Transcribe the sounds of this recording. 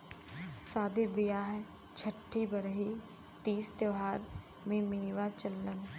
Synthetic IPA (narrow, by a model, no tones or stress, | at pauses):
saːd̪iːbɪjaːɦɛ | t͡ʃʰəʈʰːiːbəɾɦiː | t̪iːst̪jəːɦaːɾ | mẽːmiːʋaːt͡ʃəlːən